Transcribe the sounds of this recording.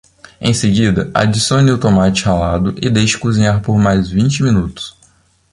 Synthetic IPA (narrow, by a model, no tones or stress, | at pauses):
ḛ̃j̃seɡid̪ɐʔa̰d͡ʒisõniʊt̪omat͡ʃɪhalad̪ʊʔɪd̪ejʃɪ̥kuzĩɲaɾpoɾmajzvĩt͡ʃɪmĩnut̪ʊ̥s